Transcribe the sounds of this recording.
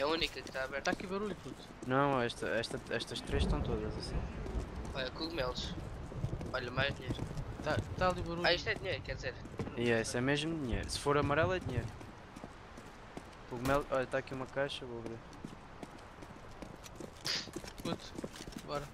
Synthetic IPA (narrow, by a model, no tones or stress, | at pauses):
ɛunikɐkt̪aɐβɛɾt̪aɐkiβɐɾuʎuput̪ | nɐ̃w̃ɛʃt̪ɐ̰ɛʃt̪ɐɛʃt̪ɐʃt̪ɾeʃt̪ɐ̃w̃t̪oðɐzɐsĩ | ɔʎɐkuɣumɛlˠʃ | ɔʎɐmajʒd̪iɲejɾut̪at̪aɐlˠiβɐɾuaiʃt̪ɛd̪iɲejɾukɛɾd̪izeɾiɛsɛmeʒmud̪iɲḛjɾusɨ̥foɾɐmɐɾɛlˠɛðiɲejɾu | kuɣmɛlˠʃɔʎɐt̪aɐkiumɐkajʃɐvoɐβɾeɾ | put̪ɐɣɔɾɐ